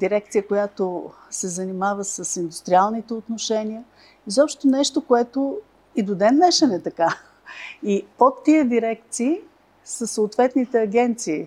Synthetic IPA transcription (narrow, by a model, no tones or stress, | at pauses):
d̪iɾɛk̚t̪sijəkojat̪o | sɛzɐnimavəsəsind̪ʊst̪ɾialˠnit̪ɛot̪noʃɛnʲiə | izɔpʃt̪onɛʃt̪okoɛt̪o | id̪od̪ɛnːɛʃənɛt̪ɐka | iot̪ːiəd̪iɾɛk̚t̪siː | səsoːt̪vɛt̪nit̪ɛɐɡʲɛnt̪siː